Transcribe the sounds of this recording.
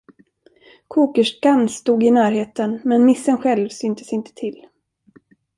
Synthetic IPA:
kʰuːkəʂkanːst̪uːɡɪnæːɾɦeːt̪ənmɛnmɪsːənɧɛlvsʏnt̪ə̥sɪnt̪ə̥t̪ʰɪl

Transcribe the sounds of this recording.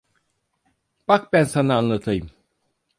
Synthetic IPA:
b̥ak̚bænsanaːnlˠat̪ʰajɯm

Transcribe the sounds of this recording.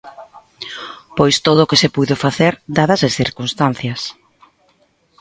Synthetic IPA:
pojst̪oðʊːkɪsɪpujðʊfaθeɾd̪aðɐzesθiɾkunst̪an̟θjɐs

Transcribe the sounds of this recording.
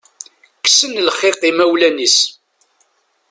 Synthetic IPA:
ksənlχeqimæwlænis

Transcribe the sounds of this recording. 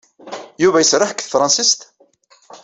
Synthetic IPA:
juvæjəsɾˤaħkθfɾˤɑnsist̪

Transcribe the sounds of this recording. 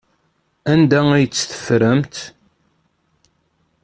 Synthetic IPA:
ænd̪ææjət͡sːθə̥fɾəmt̪

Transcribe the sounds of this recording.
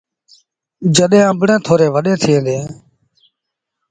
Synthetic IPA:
d͡ʒəɗẽːə̃bɳẽːt̪ʰoːɾeːʋəɗẽːt̪ʰɪẽːd̪eː

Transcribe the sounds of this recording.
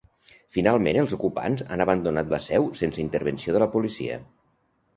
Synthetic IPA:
finalˠmenəlˠzukupa̰nza̰nəβənd̪unat̪ləsɛwsensəint̪əɾβənsioðələpulisḭə̰

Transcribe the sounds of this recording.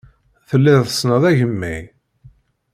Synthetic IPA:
θəlːiðθəsnəðˤæʝəmːij

